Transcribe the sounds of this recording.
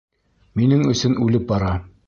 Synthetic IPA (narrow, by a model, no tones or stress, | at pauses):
minɘŋɵ̆sɵnʉlɘp̚bɑɾɑ